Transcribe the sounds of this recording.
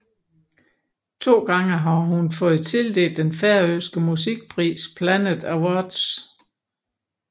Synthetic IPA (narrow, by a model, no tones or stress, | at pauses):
t͡sʰo̝̰ːɡ̥ɑ̈ŋəɦɑ̈ɦunfɔ̽ːð̩ˠt͡sʰe̝ld̥e̝̰ːld̥enfæɐøːsɡ̥əmusiɡ̥̚pʰʁḭːspʰlænəðˠæwɒd̥s